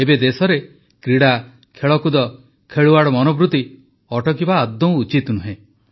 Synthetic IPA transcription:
ebed̪esɔɾe | kɾiɽa | kʰeɭɔkud̪ɔ | kʰeɭuaɽɔmɔnɔbɾut̪i | ɔʈɔkibaːd̪ɔ̃w̃ut͡ʃit̪nuɦẽ

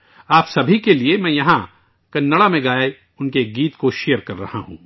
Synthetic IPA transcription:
aːpsɐbʱikeliemɛ̃ːjɐɦã | kɐnːɐɽamẽɡaːe | ʊnkeɡiːt̪koʃijəɾkɐɾːɐ̰ha̰ɦṵ̃ː

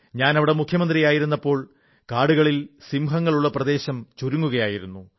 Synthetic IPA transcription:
ɲaːnɐʋiɽe̞mukʰjɐmɐnd̪rijaːjiɾunːɐpːo̞ːɭ | kaːɽuɣɐɭilsimɦɐŋːɐɭuɭːɐprɐd̪e̞ːɕɐmt͡ɕuɾuŋːuɣɐjaːjiɾunːu

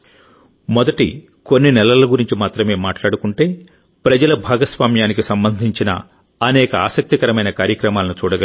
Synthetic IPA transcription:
mɔd̪ɐʈḭ | ko̞nːinɛlɐlɐɡuɾiɲt͡ʃimaːt̪ɾɐme̞ːmaːʈlaːɽukuɳʈe̞ː | pɾɐd͡ʒɐlɐbʱaːɡɐsʋaːmjaːnikisɐmbɐnd̪ʱiɲt͡ʃinɐ̰ | ɐnɛːkɐaːsɐk̚t̪ikɐɾɐmɐjnɐkaːɾjɐkɾɐmaːlɐnut͡ʃuːɽɐɡɐ

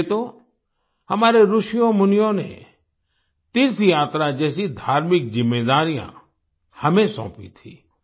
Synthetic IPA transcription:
et̪oː | həmaːɾeɾʊʃɪjõmʊnɪjõnḛ | t̪ɪnsijaːt̪ɾad͡ʒɛːsid̪ʱaːɾmɪk̚zɪmːeːd̪aːɾijã̰ | həmẽsɔ̰̃ːpḭt̪ʰḭ̃ː

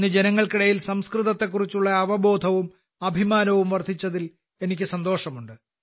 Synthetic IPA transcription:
ɨd͡ʑenɐŋːɐɭkiɽɐjilsɐmskriðɐt̪ːe̞kːurit͡ɕːuɭːɐːʋɐbo̞ːd̪ʱɐʋum | ɐbʱimaːnɐʋumʋɐrd̪ʱit͡ɕːɐðil | e̞nikʲːɨsɐnd̪o̞ːʂɐmuɳɖɨ

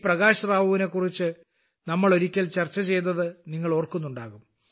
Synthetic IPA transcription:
prɐɣaːɕɐraːʋɐʋine̞kːurit͡ɕːɨ | nɐmːɐɭo̞ɾikʲːɐlt͡ɕɐrt͡ɕːɐt͡ɕe̞jt̪ɐðɨniŋːɐɭo̞ːrkunːuɳɖaːɣum

